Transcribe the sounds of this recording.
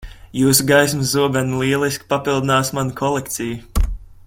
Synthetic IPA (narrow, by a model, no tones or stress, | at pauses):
juːsuɡajsmzuɔbʲɛnlˠiɛlˠiskʲi̥papilˠd̪inaːsmanukʰɔlˠɛkt̪sʲiju